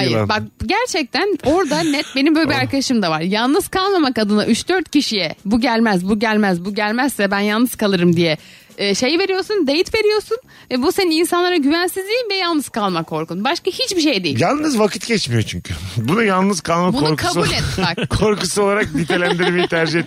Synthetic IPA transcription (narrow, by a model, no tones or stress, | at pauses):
ajɯɾbak̚ɟæɾt͡ʃʰɛc̚t̪ʰæno̞ɾd̪anɛt̪̚be̞nimbølʲibiaɾkʰad̪aʃɯmd̪avaɾ̥jalˠnɯz̥kʰalˠmamakad̪ɯnaʔyt͡ʃd̪øɾt̪ciʃijɛbuɟælʲmæzbuɟælʲmæzbuɟælʲmæzsɛbænjalˠnɯz̥kʰalˠɯɾɯmd̪ijɛː | ʃe̞jive̞ɾijo̞ɾsund̪ejit̪ve̞ɾijo̞ɾsun | vɛbusenininsanlˠaɾaɟyvænsizlʲijinvɛjalˠnɯz̥kʰalˠmakʰːo̞ɾkʰunbaʃkahit͡ʃbiʃe̞jd̪ejjalˠnɯzvakʰɯ̥t̪ɟɛt͡ʃmijo̞t͡ʃʰyɲcʰy̰bunujalˠnɯz̥kʰalˠmabunouɾkʰabuːlʲɛt̪mɛkkʰo̞ɾkusuo̞lˠaɾak̚nit̪ʰelʲænd̪iɾɾmejit̪ʰæɾd͡ʒihet̪ː